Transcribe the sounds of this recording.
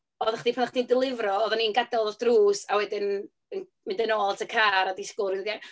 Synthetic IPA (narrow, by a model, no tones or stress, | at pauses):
ɔðaχd̥ipʰanaχd̥indɪlˠɪvrɔɔðaniənɡadɛɔlˠd̥ruːsawɛdɪn | ən | mɪndɛnoːlˠtʰəkʰaːɾadiskʊɾɪnða